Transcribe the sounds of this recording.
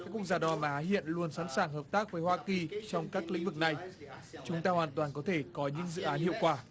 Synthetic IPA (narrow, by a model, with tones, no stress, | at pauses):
kaː˦˥kwəzaː˧˩ɗɔ˨ʔa˨˧mʔaː˨˦ɦḭ˧˨ənlu˧ənsa˧˥nsaː˧˩ŋɦəː˨˩p̚t̪aː˦˥k̚vəː˨˦jhwaː˧ki˨˩t͡ɕɔ˧wŋ͡mkaː˦˥k̚lḭ˧˥ŋ̟vɨ˨˩k̚na˨˩jt͡ɕʊ˨˦ŋ͡mt̪aː˧hwaː˨˩nt̪waː˨˩nkɔ˨˦t̪ʰe˧˩kɔ˨˦ɲɨ̰˧˥ŋzɨ̰˧˨ʔaː˨˦nhḭ˧˨əwkwaː˧˩